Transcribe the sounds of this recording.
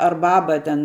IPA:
ɐr ˈbɑːbɐ tʲɛn

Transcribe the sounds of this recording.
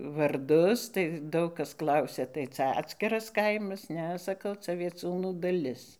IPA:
ʋɐrˈdʊs tɐɪ ˈdɐʊk ˈkɐs ˈklˠɐʊsʲɛ tɐɪ ˈt͡sʲɛ ˈɑːtʲsʲkʲɪrɐs ˈkɐɪmɐs ˈnʲɛ sɐˈkɐʊ t͡sɐ ʋʲiɛˈt͡sʲuːnuː dɐˈlʲɪs

